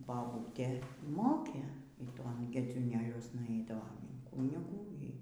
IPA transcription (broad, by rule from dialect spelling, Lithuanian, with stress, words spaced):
bɐˈbuːtʲeː ˈmoːkʲeː iː ˈtoːn ɡʲɛd͡zʲuːˈnʲeːlʲuɔsnɐ ˈɐɪdɐʋoːm ɪn ˈkuːnʲɪɡuː iː